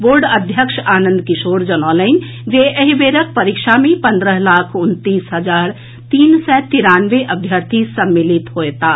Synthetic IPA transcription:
boːɾɖəd̪ʱjəkʃaːnə̃nd̪kiʃoːɾd͡ʒənɔlən | d͡ʒeʔəɦibeɾək̚pəɾikʃamẽpə̃nd̪ɾəɦlaːkʰunt̪isɦəd͡ʒaːɾ | t̪iːnsɛt̪iɾaːnʋeʔəbʱjəɾt̪ʰisəmːilit̪ɦoet̪aː

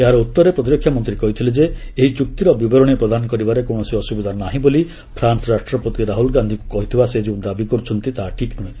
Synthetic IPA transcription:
eɦaɾeut̪ːɔɾepɾɔt̪̬iɾɔkʰːjamɔnt̪ɾikɔɦit̪ʰiled͡ʒeeɦit͡ʃuk̚t̪iɾɔbibɔɾɔɽ̃ipɾɔd̪anɔkɔɾibaɾekoɽ̃ɔsiɔsubid̪ʱanaɦĩboli | pʰɾansɔɾasʈɾɔpot̪iɾaɦulɡand̪ʱikukɔɦit̪ʰibased͡ʒiũd̪abikɔɾut͡ʃʰɔnt̪it̪aɦaʈʰiknuẽ

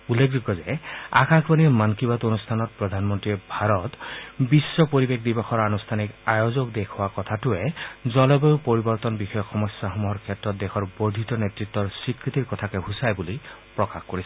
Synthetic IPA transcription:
ulːek̚zuɡɔzɛa̰kaŋkʰbaniɹmankibat̪onustʰanɔt̚pɹɔd̪ʱanmɔntɹiɛbʱaɹɔtbisːɔpoɹibek̚dibɔxɔɹanustʰanikajozɔkdekʰʊwakɔtʰatʊɛzɔlɔbɔʊpoɹibɔɹt̪ɔnbixɔjɔkxɔmɔsaxɔmuɦɔɹkʰɛtːɹɔt̚d̪ɛxʰɔɹbodʱitɔnetɹitːɔɹsikɹit̪iɹkɔtʰakɛɦusajbulipɹɔkaxkoɹisɛ

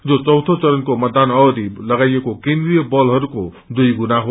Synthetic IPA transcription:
d͡zot͡sʌwt̪ʰot͡sʌɾʌnkomʌt̪ːanʌɡʌd̪ilʌɡajekokẽnd̪rijʌbʌlɦʌɾuko | d̪ujɡunaɦo

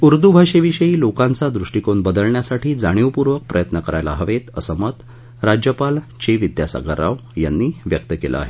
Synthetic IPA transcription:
uɾd̪ubʱaʂeʋiɕəiːlokãnt͡sad̪ɾuʂʈikonbəd̪əlɳjasaʈʰiːd͡zaɽ̃iʋpuɾʋək̚pɾʔəjət̪nəkəɾajla̰ɦəʋet̪əsəmət̪ | ɾad͡ʑjəpalt͡ɕeʋid̪jasa̰ɡə̰ɾa̰ʋjanːiːʋjək̚t̪əkelʔa̰a̰ɦe

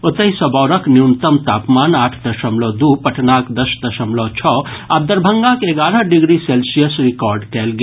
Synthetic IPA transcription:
ot̪əɦisɐbɔːɾəkniunt̪əmt̪aːpmanaːʈʰd̪ɐʃəmlod̪upɐʈʰnaːkd̪ɐsd̪ɐʃəmlot͡ʃʰɔad̪əɾbʱəŋɡakeɡaːɾəɦɖiɡɾiselsijəsɾikɔɾɖkɛlɡe

